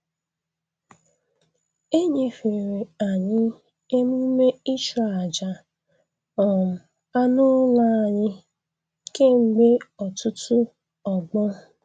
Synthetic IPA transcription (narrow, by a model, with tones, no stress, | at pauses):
e˦ɲe˨fe˨ɾe˨a˨ɲɪ˦ | e˦mu˦me˦i˦t͡ʃɔ˦˨˦a˨d͡ʒa˨ | ɔ˨m̩˨ | a˦nʊ˦la˦a˨ɲɪ˦ | ke˦ŋ͡m̩˨ɡ͡be˦ɔ˨tʊ˦tʊ˦ | ɔ˨ɡ͡bɔ˦